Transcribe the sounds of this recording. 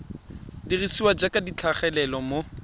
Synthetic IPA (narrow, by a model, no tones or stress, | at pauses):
dirisiwad͡ʒakadit͡ɬʰaχɛlɛlɔmo